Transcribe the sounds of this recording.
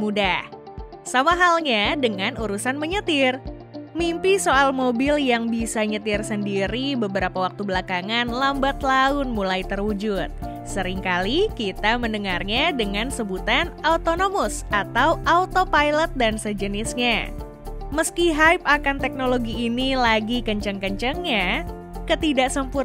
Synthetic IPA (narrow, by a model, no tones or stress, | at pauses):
mudah | samaɦalɲadəŋanuɾusanməɲət̪ɪr | mimpisoalmobɪljaŋbisaɲət̪ɪrsəndiɾibəbəɾapawak̚t̪ubəlakaŋanlambat̪laʊnmulajt̪ərud͡ʒʊt̪̚ | səɾiŋkalikit̪aməndəŋarɲadəŋansəbut̪anaut̪onomʊsat̪awʔaut̪opajlət̪̚dansəd͡ʒənɪsɲa | məskiɦajp̚akant̪ɛk̚noloɡiːnilaɡikəɲt͡ʃəŋkəɲt͡ʃəŋɲa | kət̪idaʔsəmpur